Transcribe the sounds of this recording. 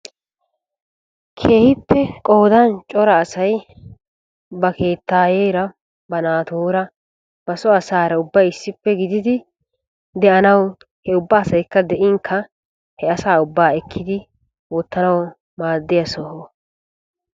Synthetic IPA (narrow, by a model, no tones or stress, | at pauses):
kʰe̞ːhɪpːɛkʼo̞ːd̪ɐnt͡ʃʼɔɾɐːsɐj | bɐke̞ːt̪ːaːjeːɾɐ | bɐnaːt̪oːɾɐ | b̥ɐsɔɐsaːɾɐʊbːɐjɪsːɪpːɛɡɪd̪ɪd̪ɪ | d̪ɛʔɐnɐw | hɛʊbːaːsɐjkːɐd̪ɛʔɪŋkʰːɐ | hɛɐsaːʊbːaːɛkːɪd̪ɪ | wɔt̪ːɐnɐw | maːd̪ːɪjɐsɔho